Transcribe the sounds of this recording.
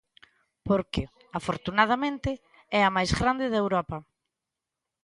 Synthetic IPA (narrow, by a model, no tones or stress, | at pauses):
poɾkɪ | afoɾt̪unað̞amẽnt̪ɪ | ɛɐmajzɣɾand̪ɪðewɾɔpɐ